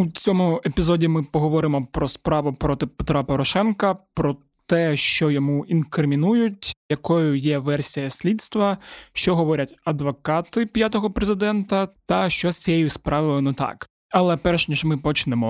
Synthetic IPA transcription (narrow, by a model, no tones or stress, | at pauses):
ut͡sʲɔmʊepʲizɔdʲimɪpɔɦɔʋɔɾɪmɔpɾɔspɾɑʋʊpɾɔt̪ɪpet̪ɾapɔɾɔʃɛnkɐpɾɔ | t̪ɛʃt͡ʃɔjɔmuinkɾɪmʲinujʊt̚ʲjɐkɔjʊjɛʋɛrsʲijɐsʲlʲit̪st̪ʋɐʃt͡ʃɔɦɔʋɔɾʲɐtʲɐd̪ʋɔkɑt̪ɪpʲjat̪ɔɦɔpɾezɪd̪ɛnt̪ɐt̪ɐʃt͡ʃɔsʲt͡sʲijejʊspɾʔɑʋɪlˠɪnɔt̪ɑ̰k | ɐlˠɛpɛrʃnʲiʒmɪpɔt͡ʃnɛmɔ